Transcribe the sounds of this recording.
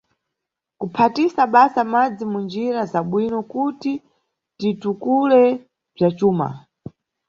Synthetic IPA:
kupʰatisaɓasamad͡zimund͡ʒiɾazaɓwinɔkuti | titukulɛ | b͡ʐat͡ʃuːma̰

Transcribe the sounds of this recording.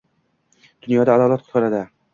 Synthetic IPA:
d̪̥ʊnjɒd̪aːd̪ɒlˠat̪̚qʰʊ̥t̪qʰɑɾad̪ɪ

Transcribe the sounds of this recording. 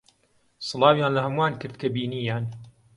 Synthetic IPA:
sˤɨlɑːwjaːnlɐhɐmwaːnkɨɾd̪̚kʰɐbiːniːjaːn

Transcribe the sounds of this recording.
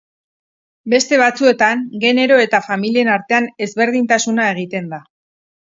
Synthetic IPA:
be̞st̪e̞βat͡sue̞t̪aŋɡe̞ne̞ɾo̞e̞t̪afamilie̞naɾt̪e̞ane̞zβe̞ɾð̞int̪asunae̞ɣ̞it̪e̞nd̪a

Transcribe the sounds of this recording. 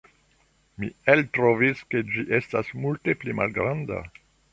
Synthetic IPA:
mieltɾoviske̞d͡ʒiʔestasmulte̞plima̰lɡɾanda̰

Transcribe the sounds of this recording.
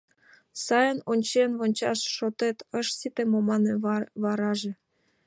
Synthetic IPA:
sɑjənonʲt͡ɕenβonʲt͡ɕɑʃːot̪et̪əʃsit̪emomɑneβɑɾɑʒĕ

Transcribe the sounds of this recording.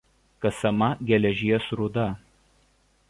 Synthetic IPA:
kɐsɐmɐɡʲɛlʲɛʒʲiɛsɾʊd̪ɐ

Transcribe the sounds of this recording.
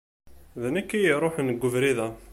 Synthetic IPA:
ðænækːijiɾˤoħnəɡʷːʊvɾiðæ

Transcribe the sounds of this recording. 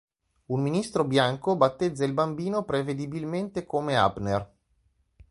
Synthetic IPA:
unminist̪ɾobjaŋkobat̪ːed̪zːailbambiːnopɾeved̪ibilment̪ekomea̰bner

